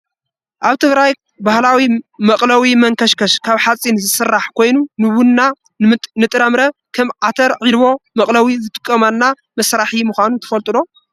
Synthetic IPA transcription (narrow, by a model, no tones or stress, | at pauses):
ʔaβt̪ʰɨɡɾaj | bahlawimɐkʼlawimɐŋkʰɐʃkɐʃkʰaβħat͡sʼinzɨsɨrːaħkʰo̞jnunɨwʊnːa | nɨt̪ʼɾɐmɾɐkʰɐmʕat̪ʰɐɾʕid̪βo̞mɐkʼlɐwizɨt̪ʼɨkʼːɐmanːa | mɐsɾaħimɨxʷanut̪ʰɐ̥fɐlt̪ʼɨd̪o̞